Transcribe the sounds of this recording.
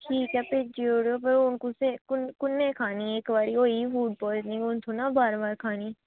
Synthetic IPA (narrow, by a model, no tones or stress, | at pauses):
ʈʰiːkɛːpeːd͡ʒiːoːɽejoːp̬əɾʊnkʊsekʊkʊnːẽːkʰaːniːeːkbaːɾiɦoːifuːʈ̚pɔːnĩʊnt̪ʰõːnaːbaːɾbaːɾkʰaːniː